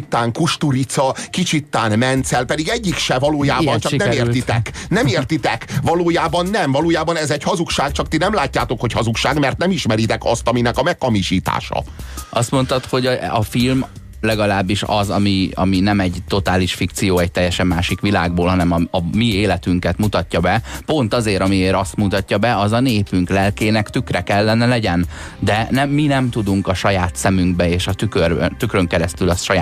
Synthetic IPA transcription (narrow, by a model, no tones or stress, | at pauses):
t̪ːaːŋkuʃt̪uɾit̪sɒkit͡ʃit̪ːaːnmɛnt̪sɛlpɛd̪iɡɛɟːikʃɛvɒloːjaːbɒnt͡ʃɒknɛmeːrrt̪it̪ɛknɛmeːrt̪it̪ɛkvɒloːjaːbɒnːɛmvɒloːjaːbɒnɛzɛchɒzukʃaːk̚t͡ʃɒkt̪inɛmlaːcːaːt̪o̞kho̞chɒzukʃaːɡmɛrt̪nɛmiʃmɛɾit̪ɛkɒst̪ɒminɛkɒmɛkːɒmiʃiːt̪a̰ːʃɒ̰ɒst̪mo̞nt̪ɒt̪ho̞ɟɒfilm | lɛɡɒlaːbːiʃɒ̰zɒmiɒ̰minɛmɛɟt̪o̞t̪aːliʃfik̚t̪sijoːɛc̚t̪ɛjːɛʃɛmːaːʃikʋilaːɡ̚boːlɦɒnɛmɒɒmieːlɛt̪yŋkɛt̪mut̪ɒtːɒbɛpo̞nt̪ɒzeːɾɒmieːɾɒst̪mut̪ɒcːɒbɛɒzɒneːpyŋklɛlkeːnɛkt̪ykrɛkɛlːɛnɛlɛɟɛn | d̪ɛnɛmːinɛmt̪ud̪uŋkɒʃɒjaːt̪sɛmyŋɡ̚bɛeːʃɒt̪ykørt̪ykrøŋkɛɾɛst̪ylɒsʃɒjaː